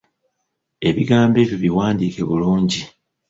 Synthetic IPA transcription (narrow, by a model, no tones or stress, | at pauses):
e̞βiɡaːmbe̞ːβjoβiwaːndiːke̞βuluːɲɟi